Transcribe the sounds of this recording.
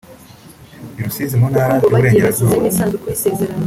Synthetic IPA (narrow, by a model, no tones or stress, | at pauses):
iɾosizimunhaːɾauβuɾe̞ːɟeɾazuːaɾ